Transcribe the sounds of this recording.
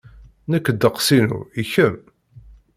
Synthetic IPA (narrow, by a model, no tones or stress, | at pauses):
nəkːəd̪ːəqsinṵiçəm